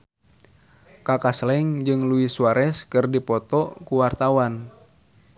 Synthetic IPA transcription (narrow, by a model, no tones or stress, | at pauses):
kakaslɛŋd͡ʒɨŋluisuaɾʔɛskɨrdipɔt̪ɔkuwart̪awan